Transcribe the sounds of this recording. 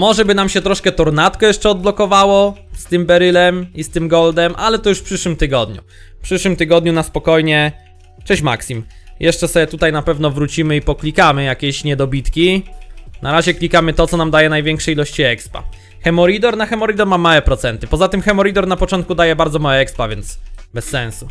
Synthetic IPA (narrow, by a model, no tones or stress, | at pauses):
mɔʐɛbɘnamɕɛt̪ɾɔʂkɛt̪ɔɾnat̪kɔjɛʂt͡ʂɛɔd̪̚blɔkɔvawɔst̪ɘmbɛɾɘlɛmist̪ɘmɡɔld̪ɛmʔalɛt̪ɔjuʂfpʂɘʂwɘmt̪ɘɡɔd̪ɲṵ | pʂɘʂwɘmt̪ɘɡɔd̪ɲunaspɔkɔjɲɛ | t͡ʂɛɕma̰ksʲim | jʔɛʂt͡ʂɛsɔbʲjɛt̪ut̪ajnapɛvn̪ɔvɾut͡ɕimɘipɔklʲikamɘjakʲeɕɲɛd̪ɔbʲit̪kʲi | nʔaɾaʑɛklʲikamɘt̪ɔt̪sɔnamd̪ajɛnajvʲɛŋkʂɛilɔɕt͡ɕiɛkspa̰ | xɛmɔɾid̪ɔɾnaxɛmɔɾid̪ɔɾmamawɛpɾɔt̪sɛnt̪ɘpɔzat̪ɘmxɛmɔɾid̪ɔɾnapɔt͡ʂɔnt̪̚kud̪ajɛbaɾd̪zɔmawɛɛkspavjɛnt̪sbɛsːɛ̃nsu